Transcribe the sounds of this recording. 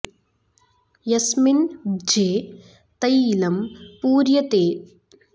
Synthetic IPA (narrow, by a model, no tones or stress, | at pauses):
jɐsmind͡ʒeː | t̪ɐjlɐmpuːɾjɐt̪eː